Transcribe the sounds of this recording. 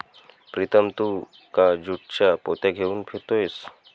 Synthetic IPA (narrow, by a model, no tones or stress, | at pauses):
pɾit̪ʰəmt̪u | kad͡ʑuʈ̚t͡ɕapot̪ɛɡʱeuːnpʰet̪oes